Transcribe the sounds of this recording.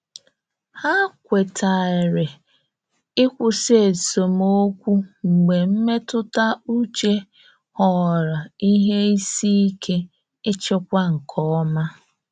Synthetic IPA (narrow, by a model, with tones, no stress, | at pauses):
ha˦kʷe˨tʰa˨ɪ˨ɾɪ˨ | ɪ˦kʷʊ˦se˦˨so˨mo˦kʷu˦ŋ͡m̩˨ɡ͡be˨m̩˦me˦tʊ˦ta˦u˦t͡ʃe˦ | hɔ˨ɾa˨i˦ɦe˦i˦si˦i˦kʰe˦ | ɪ˦t͡ʃɪ˦kʷa˦ŋ̩˨kʰɔ˦ma˦